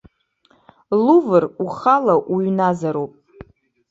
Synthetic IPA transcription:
luvɨruχalaʔuɥnazaɾopʼ

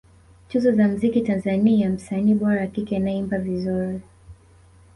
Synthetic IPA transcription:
t͡ʃuzɔzam̩zikitanzaniajam̩saniːɓɔɾaːkikɛinaɛimbavizuɾi

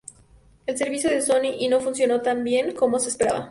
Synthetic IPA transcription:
e̞lse̞ɾβisjo̞ðe̞so̞niʔino̞funsjo̞no̞t̪ambje̞ŋko̞mo̞sespe̞ɾaβa̰

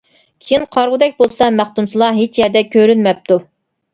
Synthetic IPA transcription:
kʲʰejinqʰɑɾʁʊd̪ɛk̚ʲbolˠsɑmæχt̪umsɨlˠɑɦet͡ʃjɛɾd̪ɛkʲʰøɾynmɛp̚t̪ʰu

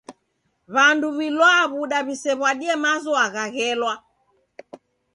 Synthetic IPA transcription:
βanduβilwaβuɗaβisɛβwaɗiɛmazɔaɣaɣɛlwa

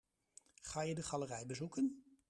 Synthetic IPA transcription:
χaːjədəχɑlərɛjbəzukən

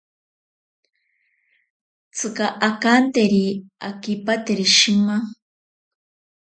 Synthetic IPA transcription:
t͡sʰɨkaʔakant̪eɾiakipat̪eɾiʃima

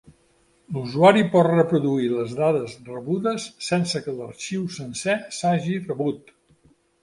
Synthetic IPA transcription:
luzuaɾipɔt̪rəpɾuðuiləzðaðəzrəβuðəsːɛnsəkələrʃiwsənsɛsaʒirəβut̪

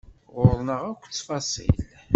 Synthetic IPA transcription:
ʁʊɾnəʁækʷːt͡sːfɑsˤḭl

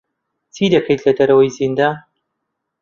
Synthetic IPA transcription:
t͡sʰid̪ɐkʰɐjt̪lɐd̪ɐɾɐwɐjzind̪a

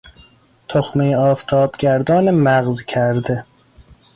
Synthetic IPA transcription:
t̪ʰoxmejɒːft̪ʰɒːbɡʲæɾd̪ɒːnemæɣzkʰæɾd̪e

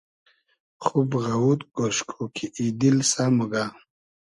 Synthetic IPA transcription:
χubɣawut̪ɡoʂkʰokʰiʔid̪ilsamuɡa

